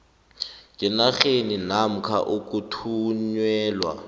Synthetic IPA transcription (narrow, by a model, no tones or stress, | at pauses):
kʼɪnaχeninam̩kʰa̰ʔʊkʼutʰuɲwɛːlwa̰